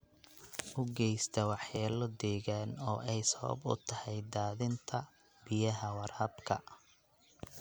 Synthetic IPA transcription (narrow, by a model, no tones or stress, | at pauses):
ʔʊɡɛjst̪ʰɐwɑħjaːlɔd̪ɛːɣaːnɔːʔɛjsɐβɐ̰bʊ̰t̪ʰɐhɛjd̪aːðɪnt̪ʰɐ | b̥ɪjɐɦɐwɑrhɐbkʰɐ̰